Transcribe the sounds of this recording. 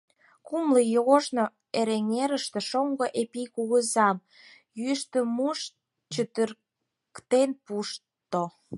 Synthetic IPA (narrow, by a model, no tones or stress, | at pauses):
kumləjoɣoʒno | eɾeŋeɾəʃt̪ĕʃoŋɡoʔepikuɣəzɑm | jyʃt̪ə̆muʃ | t͡ɕət̪ər | kt̪enpuʃ | t̪o